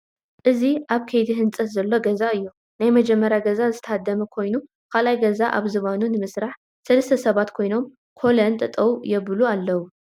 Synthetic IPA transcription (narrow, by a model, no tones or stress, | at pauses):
ʔɨziʔaβkʰejt̪ʰiɦɨnt͡sʼɐt̪zɐlːo̞ɡɐzaɨjːu | najmɐd͡ʒɛmːɐɾjaɡɐzazɨt̪ʰɐhad̪ːɐmɐkʰo̞jnu | kʰalajɡɐzaʔa̰βzɨβanunɨmɨsɾaħ | sɐlɐst̪ʰɐsɐβat̪kʰo̞jno̞m | kʰolɐnt̪ʼɨt̪ʼɐwjɛβɨlualːɐwu